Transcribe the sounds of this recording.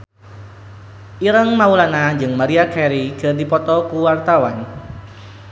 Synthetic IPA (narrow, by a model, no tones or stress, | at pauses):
ʔiɾəŋmaulanaɲd͡ʒɨŋmaɾiakɛɾiɡ̥ərdipɔt̪ɔkuwart̪awan